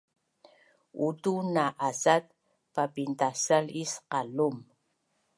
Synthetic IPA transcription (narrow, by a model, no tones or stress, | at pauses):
utunaʔasat̚ | papint̪asalisqalum